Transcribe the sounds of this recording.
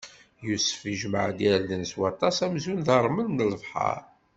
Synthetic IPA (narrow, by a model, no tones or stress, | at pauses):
jusə̥fiʒməʕd̪æɾðənswɑt̪ˤɑsæmzunðəɾˤmənmnləvħɑ̰ɾ